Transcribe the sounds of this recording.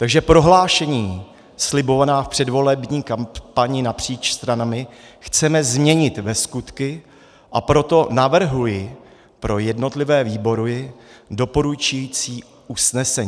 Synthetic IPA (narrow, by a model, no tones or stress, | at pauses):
t̪aɡʒɛpɾo̞ɦlaːʃɛɲiː | slɪbo̞vanaːfpr̝̥ɛdvo̞lɛbɲiːkampaɲɪnapr̝̥iːt͡ʃst̪ɾanamɪxt͡sɛmɛzmɲɛɲɪt̪vɛskut̪kɪ | ʔapɾo̞t̪o̞navr̩ɦujɪ | pɾo̞jɛdno̞t̪lɪvɛːviːbo̞ɾʊjɪdo̞po̞ɾut͡ʃujit͡siː | ʔusnɛsɛɲː